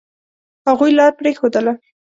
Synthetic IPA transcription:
haɣujlɑɾpɾexod̪əla

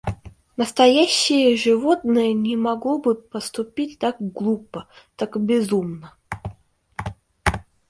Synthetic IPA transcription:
nəst̪ɐjæɕːɪjəʐɨvot̪nɨjənʲɪmɐɡlˠobɨpəst̪ʊpʲitʲt̪akɡlˠupət̪akɨbʲɪzumnə

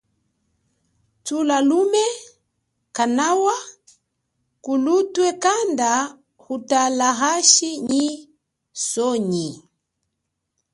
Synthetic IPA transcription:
t͡sulalumɛ | kanawa | kulutwɛkanda | ɣutalaɣaʃiɲi | sɔɲi

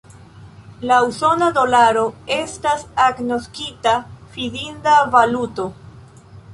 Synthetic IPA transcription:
lauso̞nado̞laɾo̞e̞stasaɡno̞skitafidindavaluto̞

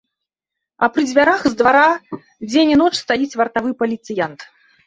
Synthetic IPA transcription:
ɐpɾɨd͡zʲvʲaɾaxzd̪vaɾa | d͡zʲenʲinɔt͡ʂst̪ajit͡sʲvɐrt̪avɨpɐlʲit̪sɨjant̪

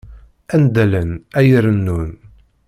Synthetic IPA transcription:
ænd̪ælənæjəɾənːun

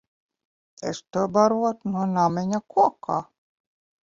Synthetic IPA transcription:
ḛst̪ubaɾuɔt̪nuɔnamʲeɲʲakuɔkʰaː

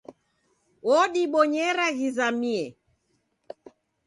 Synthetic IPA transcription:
wɔɗiɓɔɲɛɾaɣizamiɛ

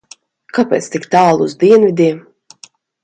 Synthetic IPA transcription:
kapʲɛ̰ːt̪st̪ikt̪aːlˠuzd̪iɛnvʲid̪ʲiɛm

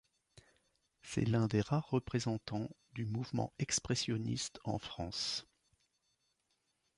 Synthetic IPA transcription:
sɛ̰lɛ̃d̪eʁaʁːəpχezɑ̃t̪ɑ̃ | d̪ymuvmɑ̰̃ɛkspχɛsjɔnḭst̪ɑ̰̃fχɑ̰̃s

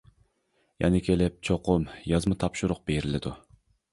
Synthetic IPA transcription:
jʔɛ̰nɪkʲʰelɪp̚t͡ʃʰoqʰʊmjɑzmɨt̪ʰɑpʃuɾʊq̚b̥eɾɪlɪd̪u

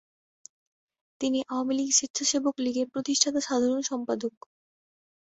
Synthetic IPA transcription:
t̪iniʔaoamiliɡʃit̪ːɕʰaʃebokliɡeɾpɾot̪iʃʈʰat̪aʃad̪ʱaɾonʃɔmpad̪ok

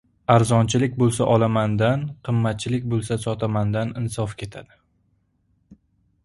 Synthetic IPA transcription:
aɾzɒnt͡ʃʰɪlɪkʲbolˠsa̰ʔɒlˠamand̪anqʰɨmːat̪̚t͡ʃʰɪlɪkʲbolˠsasɒt̪ʰamand̪anɪnsɒfkʲe̞t̪ʰa̰d̪ɪ

